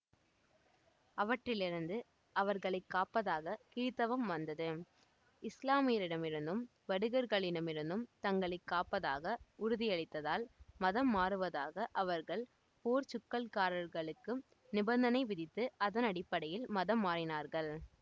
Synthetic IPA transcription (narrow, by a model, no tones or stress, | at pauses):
ɐʋɐʈrɪlɪɾɯnd̪ɯ | ʔɐʋɐɾɣɐɭɐɪkːaːpɐðaːɣɐkiːt̪ɐʋɐmʋɐnd̪ɐðɯ | ɪslaːmɪjɐlɪɽɐmɪɾɯnd̪ɯm | ʋɐɽɯɣɐɾɣɐɭɪɽɐmɪɾɯnd̪ɯmt̪ɐŋɡɐɭɐɪkːaːpɐðaːɣɐʊɾʊðɪjɐɭɪt̪ːɐðaːlmɐðɐmːaːɾɯʋɐðaːɣɐʔɐʋɐɾɣɐɭ | poːɾt͡ʃʊkːɐlkaːɾɐɾɣɐɭɯkːɯm | nɪbɐnd̪ɐnɐɪʋɪðɪt̪ːɯʔɐðɐnɐɽɪpːɐɽɐjɪlmɐðɐmːaːɾɪnaːɾɣɐɭ